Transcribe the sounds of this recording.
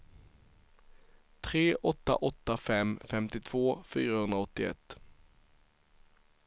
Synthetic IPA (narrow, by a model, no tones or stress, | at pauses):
t̪ʰɾeːʔɔt̪ːa̰ʔɔt̪ːafɛmːfɛmt̪ɪt̪ʰv̥oːfyːɾahɵnd̪ɾaɔt̪ːɪɛ̰t̪ː